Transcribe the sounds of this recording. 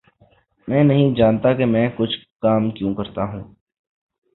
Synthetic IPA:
mɛ̃ːnɐɦĩd͡ʒaːnt̪akemɛ̃ːkʊt͡ʃʰkaːmkjõːkɐɾt̪aɦũː

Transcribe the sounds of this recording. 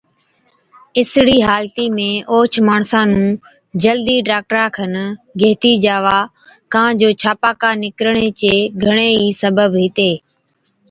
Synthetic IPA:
ɪsɽiːɦaːlt̪iːmẽːʔoːt͡ʃʰmaːɳsãːnũː | d͡ʒəld̪iːɖaːk̚ʈɾãːkʰənɡeːt̪iːd͡ʒaːʋaː | kãːd͡ʒoːt͡ʃʰaːpaːkaːnɪkɾəɳ̃eːt͡ʃeːɡʱəɽ̃eːiːsəbəbɦɪt̪eː

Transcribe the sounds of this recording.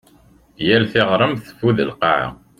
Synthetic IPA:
jælθɪʁɾˤəmθə̥fuðə̰lqa̰ʕ̰

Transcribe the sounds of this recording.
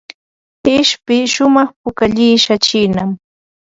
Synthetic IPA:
ɪʃpɪʃʊmɑχpʊkaʎɪːʃat͡ʃɪːnam

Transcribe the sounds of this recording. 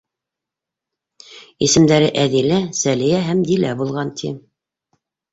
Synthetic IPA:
isɘ̆md̪æɾɘʔæðilæsælijæɦæmd̪ilæ̰bulˠʁɑnt̪ʰḭ

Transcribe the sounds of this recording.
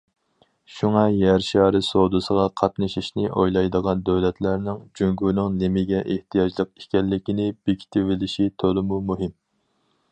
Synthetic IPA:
ʃuŋɑjæɾʃɑːɾɨsod̪ɨsəʁɑqʰɑt̪nɨʃiʃnɪʔojlˠɑjd̪əʁɑnd̪øwlɛt̪ʰlæɾnɪŋd͡ʒyŋɡunɨŋnɪmɪɡʲɛʔeht̪ʰijɑd͡ʒlˠəq̚i̥kʲɛlːɪkʲinɪb̥ekʲʰi̥t̪ʰɪvɪlɪʃit̪ʰolˠɨmumuɦɪm

